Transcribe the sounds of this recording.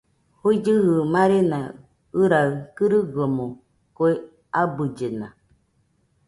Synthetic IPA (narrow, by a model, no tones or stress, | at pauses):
huid͡ʒɨhɨmãɾena | ɨɾakɨɾɨɡomo | koe | abɨd͡ʒenã̰